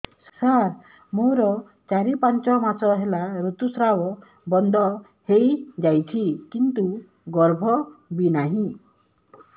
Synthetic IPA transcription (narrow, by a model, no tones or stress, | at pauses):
saɾ | moɾɔ | t͡ʃaɾipant͡ʃɔmasɔɦelaɾut̪usɾawɔ | bɔnd̪ʱɔ | hejd͡ʒajt͡ʃʰikint̪u | ɡɔɾbʱɔbinaɦĩ